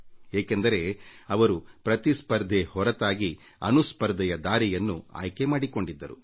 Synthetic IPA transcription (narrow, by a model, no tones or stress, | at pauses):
eːkend̪ɐɾe̞ɐʋɐɾupɾɐt̪ispɐɾd̪ʱehɔɾɐt̪aːɡi | ɐ̰nuspɐɾd̪ʱɛjɐd̪aːɾijɐnːua̰ːjkemaːɽiko̞ɳɖid̪ːɐɾṵ